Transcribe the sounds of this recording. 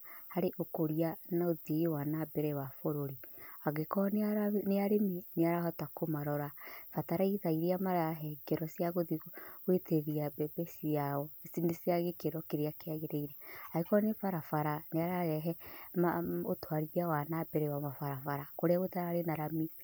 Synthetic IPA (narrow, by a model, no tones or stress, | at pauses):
haɾeʔokoɾianaoðiwanabɛɾɛwafoɾoɾiaɣekɔnneaɾemineaɾahɔtakomaɾɔɾafataɾaiðaiɾeamaɾaɦɛɡɛɾɔsiaɣoðiweteɣiabɛbesiaɔsineseaɣekeɾɔkeɾeakeaɣeɾeiɾɛaɣekɔnefaɾafaɾaneaɾaɣɛɦɛmaotwaɾiɾjawanabɛɾɛwamafaɾafaɾakoɾeawetaɾaaɾenaɾami